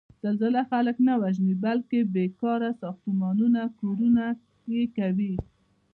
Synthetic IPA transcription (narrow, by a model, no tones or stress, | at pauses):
z̥alzalaxaləknawaʒnibalkebekɑɾasɑxt̪umɑnunakoɾuna | jekawi